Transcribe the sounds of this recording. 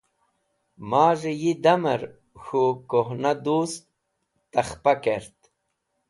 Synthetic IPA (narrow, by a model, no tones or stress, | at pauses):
maːʐejid̪amɐɾ | xukoɦnad̪uːst̪ | t̪ɐχpakeɾt̪